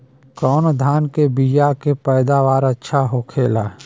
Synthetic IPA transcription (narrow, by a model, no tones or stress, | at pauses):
kɔːnod̪ʱaːnkebijakepɛːd̪aʋaːɾətːʃʰaɦokʰeːlaː